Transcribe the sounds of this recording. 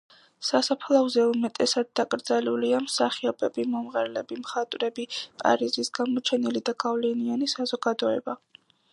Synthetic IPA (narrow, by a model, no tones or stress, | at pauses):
sasapʰlˠavzɛumɛt̪ʼɛsad̪̚ːakʼɾd̪zaluliamsaχiɔbɛbimɔmʁaɾlɛbimχat̪ʼwɾɛbipʼa̰ɾizisɡamɔt͡ʃʰɛnilid̪aɡavlɛnianisazɔɡad̪ɔɛba